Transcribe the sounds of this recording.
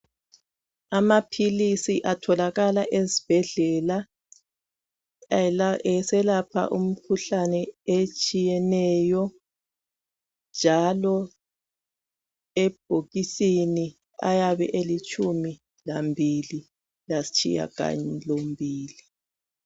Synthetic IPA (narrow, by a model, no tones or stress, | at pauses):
amapʰilisiʔatʰɔlaɣalaʔezib̥ʱɛɮɛla | ɛsɛlapʰa̰ʔum̩kʰuɬanɛet͡ʃʼijɛnɛjɔ | nd͡ʒʱalɔ | eb̥ʱoɣisini | a̰jaβɛ̰ʔelit͡ʃʼʰumi | lambʱili | lasi̥t͡ʃʰʼḭja̰ɣa̰ɲɛlombʱiːli